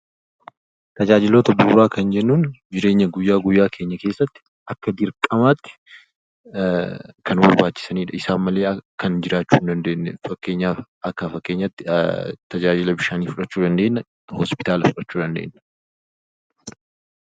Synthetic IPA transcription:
t̪ɐd͡ʒaːd͡ʒɪloːt̪ɐbuːrːaːkɐnd͡ʒɛnːuːnd͡ʒɪɾe̞ːɲːɐɡʊjːaːɡʊjːaːkʰe̞ːɲːɐke̞ːsːɐt̪ːɪ̥ | ɐkːɐd̪ɪɾkʼɐmaːt̪ːɪ̥ | kɐnbɐɾbaːt͡ʃːɪ̥sɐniːᶑɐɪsaːnmɐle̞ːɐkːɐnd͡ʒɪɾaːt͡ʃːuːnd̪ɐnd̪e̞ːnːɛ̰fɐkːe̞ːɲːaː | ɐkːɐfɐkːe̞ːɲːɐt̪ːɪt̪ɐd͡ʒaːd͡ʒɪlɐbɪʃaːniːfʊᶑɐt͡ʃːuːd̪ɐnd̪e̞ːnːɐ | hɔspɪt̪aːlɐfʊᶑɐt͡ʃːuːd̪ɐnd̪ḛːnːɐ̥

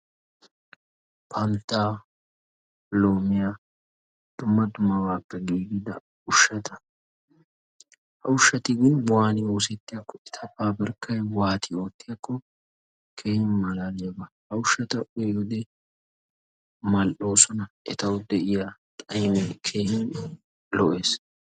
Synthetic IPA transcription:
pʰɐnt̪ːaː | lo̞ːmɪja | d̪̥ʊmːɐd̪ʊmːɐwaːpːɛɡiːɡɪd̪ɐ̰ | ʊʃːɐt̪ɐ | hɐ̰ʊʃːɐt̪ɪɡɪnwaːnɪoːs̬ɛt̪ːɪjɐkːɔɛt̪ʰɐpːaːbɐɾkːɐjwaːt̪ʰɪo̞ːt̪ːɪjɐkːɔ | kʰe̞ːhɪnmɐlaːleːbɐhɐʊʃːɐt̪ɐʔeɔd̪ɛ | mɐlʔo̞ːsɔnɐʔɛt̪ɐwʊd̪ɛʔɪjat̪ʼɐjmɛkʰe̞ːhɪn | lɔʔe̞ːs

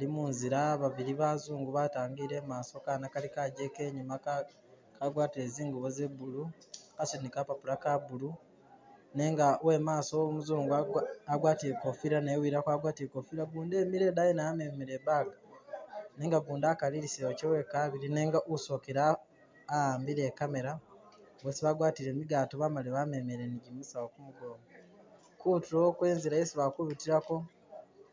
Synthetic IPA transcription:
alimunziɾaβaβiɾiβazuːŋɡuβataːŋɡiɾe̞maːso̞kanakalikaɟe̞ːke̞ːɲima | kaɡwaːtiɾeziːŋɡuβoze̞βulu | kasonikapapulakaβulu | ne̞ːŋɡawe̞maːsowomuzuːŋɡuaaɡwaːtiɾekofiɾanewiɾakwaɡwaːtiekofiɾaβuːnde̞ːmiɾe̞ːdajenajamemiɾeβaɡa | neːŋɡaβuːndaːkaliɾisewocewekaβiɾine̞ːŋɡaʔuso̞keɾaː | aːmbiɾe̞ːkame̞ɾa | wosiβaːɡwaːtiɾe̞ːmiɡaːtoβamaleβame̞meɾeniɟimisawokumuɡoːma | kutuɾokwe̞ːnziɾajesiβakuβitiɾako̞

